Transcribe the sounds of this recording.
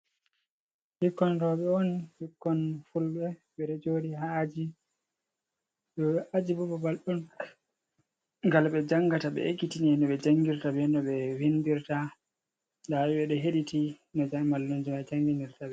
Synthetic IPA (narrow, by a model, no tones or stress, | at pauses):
hikːɔnɾɔɓɛɔnhikːɔnfulɓɛ | ɓɛɾɛd͡ʒodiɦad͡ʒi | ɗɔʔad͡ʒibɔbɔbalɗun | ŋɡalɓɛd͡ʒaŋɡataɓɛ̰ekːitiniɛnɔɓɛd͡ʒaŋɡiɾtabɛnɔɓɛwindiɾta | dawiɓɛɗɛɦeɗitinɔd͡ʒamalːund͡ʒimad͡ʒaŋɡiniɾtaɓɛ